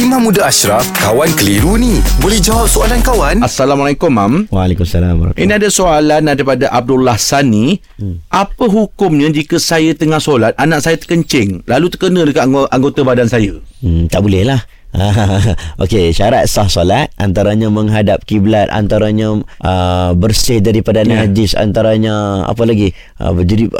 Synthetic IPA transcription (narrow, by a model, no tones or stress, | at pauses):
imãmũdaaʃɾafkawankəliɾunibolɛhd͡ʒawap̚soalankawanasalamalajkʊmːamwalekumsalambaɾa̰kʔḭnnĩadasoalanaɾipadaʔab̚dulːahsanːi | ʔapəɦukʊmɲə̃d͡ʒikəsajət̪əŋahsolat̪̚anãʔsajət̪ə̥kəɲt͡ʃɪŋlalut̪əkənə̃dəkaʔaŋɡot̪abadansajət̪aʔbulɛhlah | ʔaʔokeʃaɾat̪̚sahsolat̪̚ant̪aɾaɲãməŋɦadap̚kiblat̪̚a̰nt̪aɾaɲãʔəbərsɪhdaɾipadannad͡ʒɪsa̰nt̪aɾaɲaa̰pəlaɡi | ə̰bəd͡ʒadip